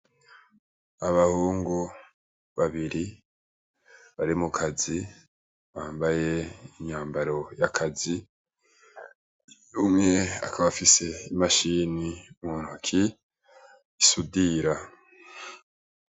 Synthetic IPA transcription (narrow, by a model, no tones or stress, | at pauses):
aβahuːŋɡu | βaβiɾi | βaɾimukʰazi | βaːmbaje̞iɲaːmbaɾo̞jakʰazi | jumŋe̞a̰kʰaβafise̞imaʃiniumuːnuakʰi | isudiːɾa